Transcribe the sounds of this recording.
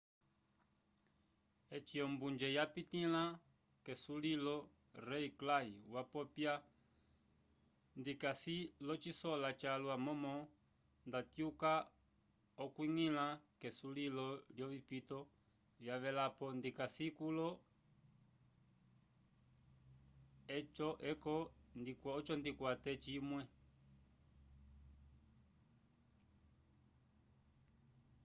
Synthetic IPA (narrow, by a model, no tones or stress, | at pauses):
ɛt͡ʃiɔmbund͡ʒɛjapit̪ila | kɛsulilɔ | ɾɛiklaiwapɔpja | ndikasilɔt͡ʃisɔlat͡ʃaluamɔmɔ | ndat̪juka | ɔkwiŋilakɛsulilɔljɔvipitɔ | vjaʋɛlapɔndikasikulɔ | ɛt͡ʃɔʔɛkɔndikwaɔt͡ʃɔndikwatɛt͡ʃimwɛ